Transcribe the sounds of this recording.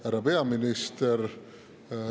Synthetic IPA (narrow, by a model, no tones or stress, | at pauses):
hæɾɑpe̞ɑminist̪eɾ